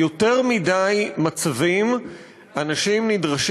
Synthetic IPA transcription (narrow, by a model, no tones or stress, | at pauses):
o̞te̞ʁmidajmat͡savim | anaʃimnidʁaʃ